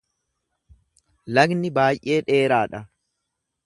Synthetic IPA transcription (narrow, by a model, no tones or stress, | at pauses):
lɐɡnɪbaːjʔe̞ːᶑe̞ːɾaːᶑɐ